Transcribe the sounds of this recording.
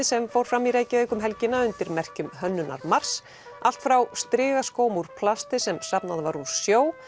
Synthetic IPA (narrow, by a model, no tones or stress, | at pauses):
ɪsɛmfowɾ̥fɾamːiɾeːjcɪeːjkʏmɦɛlcɪnːaʏnt̪ɪɾmɛr̥cʏmɦœnːʏna̰ɾmar̥s | al̥t̪fɾawst̪ɾɪːɣaskoːwmuɾ̥pʰlast̪ɪsɛmsapnaðvaɾu̥sjoːw